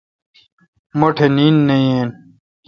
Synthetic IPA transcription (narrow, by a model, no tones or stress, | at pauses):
moʈʰeniːnːejeːn